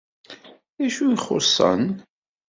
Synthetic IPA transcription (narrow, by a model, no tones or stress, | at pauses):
æʃujχo̰sˤːə̰n